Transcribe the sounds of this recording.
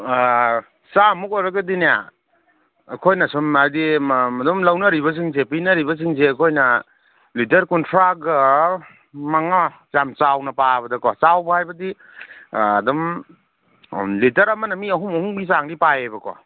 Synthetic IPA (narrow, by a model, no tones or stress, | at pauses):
samuk̚ɔɾɐɡɐdinija̰ | kʰojnɐsumadimɐdumlɐwnɐɾiβɐs̬iŋzepinɐɾibɐs̬iŋzeɐkʰojnɐ | litɐɾkuntʰɾak̚ɐ | maŋa | zamt͡ʃawnɐpabɐdɐkwasawbɐhajbɐdiː | dum | litɐɾɐmɐnɐmiɐɦumɐhuŋɡisaŋdipajejbɐkwa̰